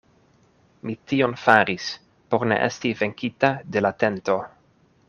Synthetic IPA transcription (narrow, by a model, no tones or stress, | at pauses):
mitio̞nfaɾis | po̞ɾnḛʔḛstive̞ŋkitade̞late̞nto̞